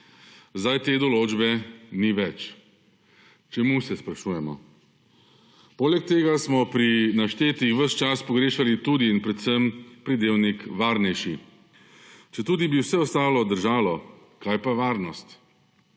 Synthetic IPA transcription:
zd̪ajt̪eːd̪ɔloːd͡ʒbɛniʋɛt͡ʃ | t͡ʃɛmusɛspɾaʃuːjɛmɔ̰ | poːlɛk̚t̪eːɡasmɔpɾinaʃt̪eːt̪ixʋəst͡ʃaspɔɡɾeːʃalit̪uːd̪iːnpɾɛt̪səmpɾid̪eːwnikʋaːɾnɛjʃi | t͡ʃɛt̪uːd̪ibiwsɛɔst̪aːlɔd̪əɾʒaːlɔ | kajpaʋaːɾnɔst̪

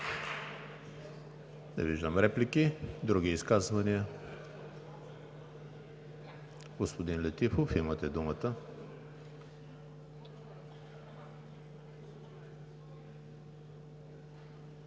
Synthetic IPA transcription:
nɛ̰viʒd̪əmɾɛplikid̪ɾuɡiːskazvɐniə | ɡospod̪inlɛt̪ifofimət̪ɛd̪umət̪ə

